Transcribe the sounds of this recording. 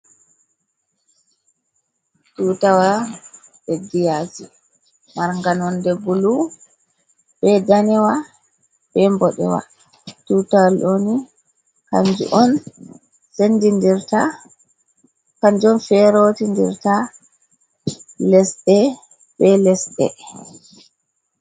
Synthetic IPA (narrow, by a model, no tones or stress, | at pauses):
tuːtawa | ɓɛdijati | maɾŋɡanɔndɛɡulu | bɛdanɛwa | bɛmbɔɗɛ̰wa̰ | tutawaloni | ka̰ɲd͡ʒṵʔɔn | sendindiɾta | kaɲd͡ʒɔnfɛɾotindḭɾta | lɛsɗɛ | ɓɛlɛsɗɛ̰